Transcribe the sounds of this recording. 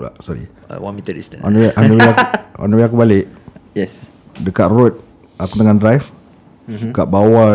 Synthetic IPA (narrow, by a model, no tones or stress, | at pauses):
la̰ʔsɔɾḭ | wamit̪ədistɔ̰nʔɔnəwiakɔ̰nəwiakubalɪʔjɛs | dəkaʔ̪rut̪̚ | akut̪aŋandɾajf | dəkaʔ̚bawa